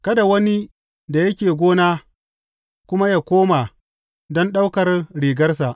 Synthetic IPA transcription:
kɐ˦da˨wɐ˦ni˦ | da˨jɐ˦kʲeː˨ɡʷoː˦naː˦ | kʷʊ˦ma˦jaː˦˨kʷoː˦ma˨ | dɔ˦nɗa˦wkɐ˨rɽiː˨ɡɐ˦rsa˨ʔ

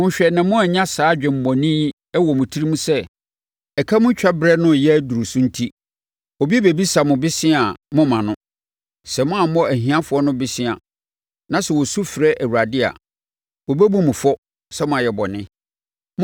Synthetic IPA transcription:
mʊ̃˦ɲ̩˨ɕᶣɛ˨nã˨mʊ̃˦a˨ɲã˦saː˨˦d͡ʑᶣɪ̃˨m̩˨mɔ̃˨nĩ˦ | ɛ˦wɔ˨mʊ̃˨tʰi˦ɾi˦mũ˦sɛ˦ | ɛ˨kʰa˦mʊ̃˦t͡ɕᶣa˦bɾɛ˦nʊ̃˦˨jɛ˦du˨ɾu˨sũ˦n̩˦tʰi˦ | ɔ˨bi˦e˦be˨bi˦sa˨mʊ̃˨bɪ˦sɪ̃˦a˨mʊ̃˦mã˨nʊ̃˦ | sɛ˨mʊ̃˦a˨mɔ̃˦æ˨ɦĩ˨˦ã˦fʊ˨ɔ˦nʊ̃˦bɪ˦sɪ̃˦a̰˨ | nã˨˦sɛ˨wɔ˨su˦fɾɛ˦ʔæ˨wu˨ɾa˨dɪ˦a̰˨ | ɔ˨bæ˦bũ˦mʊ̃˨fɔ˦ | sɛ˦mʊ̃˦a˨jɛ˨bɔ˨nɪ̃˦

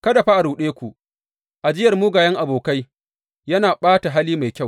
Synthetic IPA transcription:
kɐ˦da˨ɸa˦ʔa˨ɾuː˨ɗeː˦kʷu˨ʔ | ʔa˨d͡ʒɪ˦jɐ˨rmuː˦ɡaː˨jɐ˦ŋʔa˨boː˨ka˦j | jɐ˦naː˨ɓaː˦ta˨ɦaː˦liː˦ma˨jkʲa˦˨w

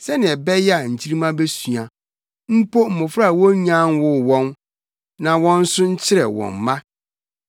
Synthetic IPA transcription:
sɛ˦nɪ̃˨ɛ˨bɛ˦jɛ˦a˨ɲ̩˨t͡ɕʰi˦ɾi˦mã˦be˦su˨ã˨ | m̩˦pʰo˦m̩˨mʊ̃˨fɾa˦a˨wɔ̃˦ɲã˦nwʊ˦˨wɔ̃˦n | nã˨wɔ̃˦n̩˦sʊ̃˦ɲ̩˦t͡ɕʰɪ˦ɾɛ̰˨wɔ̰̃˨m̩˨mã˦

